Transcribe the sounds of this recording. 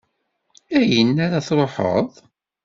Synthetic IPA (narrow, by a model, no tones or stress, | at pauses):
æjənːæɾaθɾˤoħə̰ðˤ